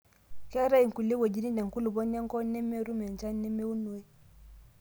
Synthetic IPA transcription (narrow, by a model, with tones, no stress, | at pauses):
kɛ˦ɾa˦ji˨ŋku˨lːe˦wo˨d͡ʒi˨˦ni˦nda˨ŋku˦lu˨bo˦nja˦ŋkɔ˦nɛ˦mːe˦ɾu˦me˨n˨t͡ʃa˦nɛ˦me˦wu˦nːu˨e˦